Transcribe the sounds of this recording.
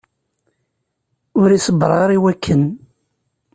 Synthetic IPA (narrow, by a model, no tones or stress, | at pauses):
ʊɾisəbɾˤɑɾˤiwækʰːən